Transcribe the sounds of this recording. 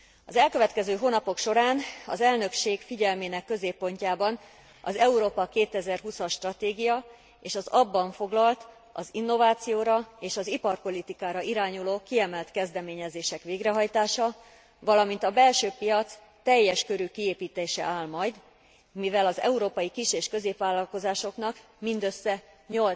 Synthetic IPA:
ɒzɛlkøvɛt̪kɛzøːɦoːnɒpo̞kʃo̞ɾaːnɒ̰zɛlnø̞kʃeːɡfiɟɛlmeːnɛkːø̞zeːpːo̞ɲcaːbɒn | ɒ̰zɛuɾoːpɒkeːt̪ɛzɛrɦusɒʃːt̪rɒt̪eːɡijɒ | eːʃɒzɒbːɒɱfo̞ɡlɒlt̪ | ɒzinːo̞vaːt̪sijoːɾɒeːʃɒzipɒrpo̞lit̪ikaːɾɒiɾaːɲuloːkiɛmɛlt̪kɛzd̪ɛmeːɲɛzeːʃɛkʋeːɡrɛɦɒjt̪aːʃɒ | vɒlɒmint̪ɒbɛlʃøːpijɒt̪s | t̪ɛjːɛʃkø̞ɾykieːpiːt̪eːʃɛ̰ʔaːlmɒjd̪ | mivɛlɒzɛ̰uɾoːpɒjikiʃeːʃkø̞zeːpʋaːlːɒlko̞zaːʃo̞knɒk | mind̪øsːɛɲol

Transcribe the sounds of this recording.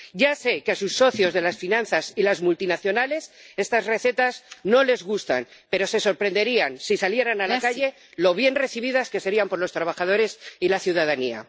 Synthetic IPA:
ɟ͡ʝase̞keasusːo̞θjo̞zðe̞lasfinãn̟θasilazmult̪inaθjo̞nale̞se̞st̪azre̞θe̞t̪azno̞le̞zɣust̪a̰npe̞ɾo̞se̞so̞ɾpɾe̞nd̪e̞ɾiansisalje̞ɾanalakaʝe̞ | lo̞β̞je̞nre̞θiβ̞iðaskese̞ɾiampo̞ɾlo̞st̪ɾaβaxaðo̞ɾe̞silaθjuð̞að̞ania̰

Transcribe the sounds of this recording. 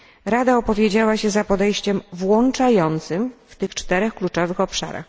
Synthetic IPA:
ɾad̪aɔpɔvʲjed͡ʑawaɕɛzapɔd̪ɛjɕt͡ɕɛmvwɔnt͡ʂajɔnt̪sɘmft̪ɘxt͡ʂt̪ɛɾɛxklut͡ʂɔvɘxɔpʂa̰ɾa̰x

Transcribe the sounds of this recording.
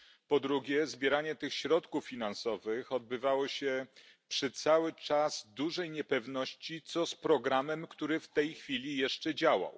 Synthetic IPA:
pɔd̪ɾuɡʲjɛzbʲjɛɾaɲɛt̪ɘxɕɾɔt̪kufːʲinansɔvɘxɔd̪̚bɘvawɔɕɛ | pʂɛt̪sawɘt͡ʂazd̪uʐɛjɲɛpɛvnɔɕt͡ɕit̪sɔspɾɔɡɾamɛmkt̪uɾɘft̪ɛjxfʲilʲijɛʂt͡ʂɛd͡ʑawa̰w

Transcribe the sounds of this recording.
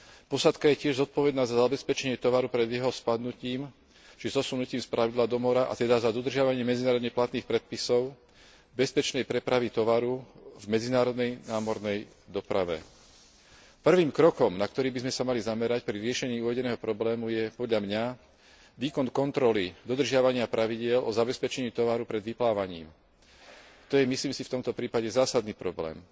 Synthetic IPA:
pɔsat̪kajɛcɪɛʒzɔt̪̚pɔʋɛd̪naːzazabɛspɛt͡ʃɛɲɪɛt̪ɔʋaɾupɾɛd̪jɛɦɔspad̪nuciːm | ʒɛzɔsunuciːmspɾʔaʋid̪laːd̪ɔmɔɾaʔa̰t̪ɛd̪azad̪ɔd̪r̩ʒɪaʋaɲɪɛmɛd͡zinaːɾɔd̪ɲɛplat̪niːxpɾɛt̪̚pisɔʊ | bɛspɛt͡ʃnɛjpɾɛpɾaʋit̪ɔʋaɾuvmɛd͡zinaːɾɔd̪nɛjnaːmɔɾnɛj | d̪ɔpɾa̰ʋɛ̰ | pr̩ʋiːmkɾɔkɔmnakt̪ɔɾiːbizmɛsamalizamɛɾacpɾiɾɪɛʃɛɲiːuːʋɛɟɛnɛːɦɔpɾɔblɛːmujɛpɔd̪ʎamɲa | ʋiːkɔnkɔnt̪ɾɔlid̪ɔd̪r̩ʒɪaʋaɲɪapɾʔaʋiɟɪɛlʔɔzabɛspɛt͡ʃɛɲɪiːt̪ɔʋaɾupɾɛd̪ʋiplaːʋaɲḭːm | t̪ɔjɛmisliːmsift̪ɔmt̪ɔpɾiːpaɟɛzaːsad̪niːpɾɔblɛ̰ːm

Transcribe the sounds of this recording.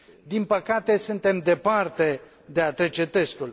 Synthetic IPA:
d̪inpəkat̪e̞sunt̪e̞md̪e̞part̪e̞ | d̪e̞at̪ɾe̞t͡ʃe̞t̪e̞st̪ul

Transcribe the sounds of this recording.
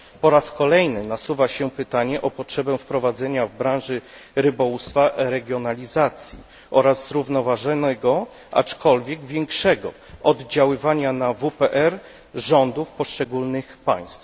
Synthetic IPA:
pɔɾaskɔlɛjnɘnasuvaɕɛpɘt̪aɲɛʔɔpɔtʂɛbɛ̃fpɾɔvad̪zɛɲavbɾãw̃ʐɘɾɘbɔwust̪faɾɛɡʲjɔnalʲizat̪sʲjḭ | ʔɔɾazzɾuvnɔvaʐɛnɛɡɔ | ʔa̰t͡ʂkʰɔlvʲjɛɡvʲjɛŋkʂɛɡɔ | ʔɔd̪d͡ʑawɘvaɲanavupɛʔɛɾ | ʐɔnd̪ufpɔʂt͡ʂɛɡulnɘxpa̰j̃st̪f

